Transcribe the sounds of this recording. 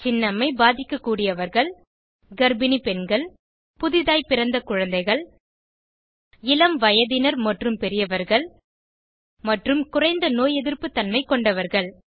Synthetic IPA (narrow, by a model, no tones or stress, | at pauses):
t͡ʃɪnːɐmɐɪbaːðɪkːɐkːuːɽɪjɐʋɐɾɣɐɭ | ɡɐɾbɪnipɛnɡɐɭ | pʊðɪðaːjpɪɾɐnd̪ɐkʊɻɐnd̪ɐɪɣɐɭ | ɪlɐmʋɐjɐðɪnɐɾmɐʈrɯmpɛɾɪjɐʋɐɾɣɐɭ | mɐʈrɯmkʊrɐɪnd̪ɐnoːjɛðɪɾpɯt̪ːɐnmɐɪkːɔɳɖɐʋɐɾɣɐɭ